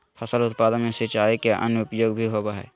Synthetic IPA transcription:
fʰəsəlʊt̪paːd̪ənmẽsɪt͡ʃaːikeʔə̰nʊpjoːɡbʱiɦoːbaɦɛ̰ː

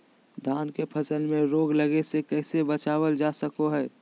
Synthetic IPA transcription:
d̪ʱaːnkepʰəsəlmẽɾoːɡləɡesekɛːsebət͡ʃaːwəld͡ʒaːsəkoɦɛː

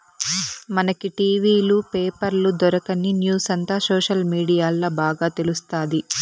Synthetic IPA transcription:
mɐnɐkiʈiːʋiːlupeːpɐɾlud̪ɔɾɐkɐninjuːsɐnt̪aːsɔːʂɐlmiːɽijaːlːoːbaːɡaːt̪elust̪aːd̪i

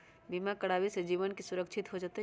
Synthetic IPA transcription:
bimakəɽaːwised͡ʒiːʋənkisʊɾəkt͡ʃʰɪt̪ɦod͡ʒət̪e

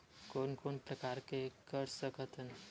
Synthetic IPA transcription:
koːnkoːnpɾəkaːɾkekəɾsəkət̪ən

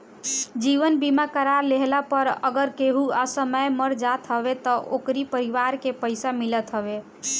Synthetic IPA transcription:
d͡ʒiʋənbimakəɾaɾleɦlapəɾəɡəɾkeɦuasəməjməɾd͡ʒat̪ɦəʋet̪ɔʔokɾipəɾiʋaɾkepəɪsamilət̪ɦəʋe

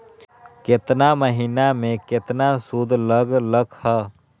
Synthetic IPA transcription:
kɪt̪naməɦiːnamẽkɪt̪nasud̪ʱləɡləɡhəː

